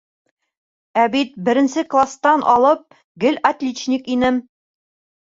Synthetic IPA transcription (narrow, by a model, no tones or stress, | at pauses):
æbit̪̚bɘ̆ɾɘ̆nsɘklˠast̪ɑnʔɒlˠɤp̚ | ɡɘlʲɐt̪lʲet͡ɕnʲikinɘm